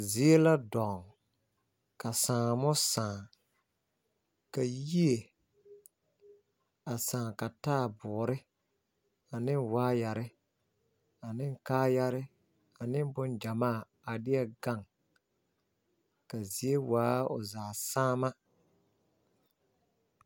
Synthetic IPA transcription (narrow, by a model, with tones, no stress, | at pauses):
zi˨e˦la˦dɔ˨ŋ | ka˨sãː˨mʊ˦sãː˨ | ka˨ji˦e˨ | a˨sãː˨ka˨taː˦˨bʊː˨ɾɪ˦ | a˨nɪ˦nwaː˦ja˨ɾɪ˦ | a˨nɪ˦ŋkaː˦ja˦ɾɪ˦ | a˨nɪ˦nbʊ˦nd͡ʒa˨maː˦˨ | a˨dɪ˦ɛ˦ɡa˦˨ŋ | ka˨zi˨e˦waː˦ʊ̰˨zaː˨saː˦ma˦